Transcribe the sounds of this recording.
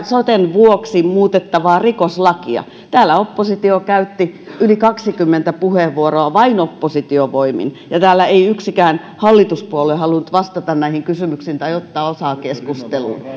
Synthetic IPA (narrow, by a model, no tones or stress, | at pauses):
sot̪enʋuoksimuːt̪et̪ːɑʋɑːrikoslɑkiɑ̰ | t̪æːlːæopːosit̪iokæyt̪ːi | ylikɑksikymːent̪æpuheʋʋuoroɑʋɑinopːosit̪ioʋoimḭn | jɑt̪æːlːæeiyksikæːn | hɑlːit̪uspuolehɑlunt̪ʋɑst̪ɑt̪ɑnnæihiŋkysymyksiːnt̪ɑiot̪ːɑːosɑːkeskust̪elṵːn